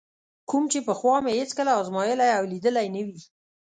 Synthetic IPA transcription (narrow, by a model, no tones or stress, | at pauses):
kumt͡ʃepəxwɑmehet͡skəlaɑzmɑjəlajawlid̪əlajnəwi